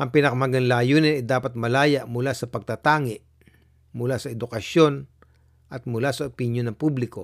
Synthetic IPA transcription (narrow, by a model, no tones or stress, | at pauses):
ʔɐŋpɪnɐkɐmɐɡɐŋlaːjuːnɪnɛd̪aːpɐt̪̚mɐlaːjaʔmʊlasɐpɐɡ̚t̪at̪aːŋɪʔ | mʊlasɐɛd̪ʊkɐʃjo̞n | ʔɐt̪̚mʊlasɐopɪnjonːɐŋpublɪko